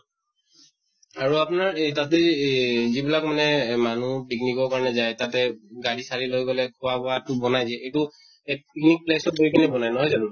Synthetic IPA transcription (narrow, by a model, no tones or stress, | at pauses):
aɹuapʊnaɹtatɛzibilakmanɛmanupiknikɔɹkaɹɔnɛzajtatɛɡaɹisaɹilojɡɔlɛkʰʊwabɔatʊbɔnajzɛetu | epiknik̚plesɔt̚ɡoɹikʰanɛbɔnajnɔɦɔjzanu